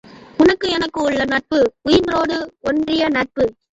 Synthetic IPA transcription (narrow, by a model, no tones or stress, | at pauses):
ʊnɐkːɯɛnɐkːɯʊɭːɐnɐʈ̚pɯʊjɪnroːɽɯɔndrɪjɐnɐʈ̚pɯ